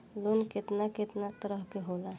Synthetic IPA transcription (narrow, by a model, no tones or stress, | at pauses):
lonkɪt̪nakɪt̪nat̪əɾəɦkeɦola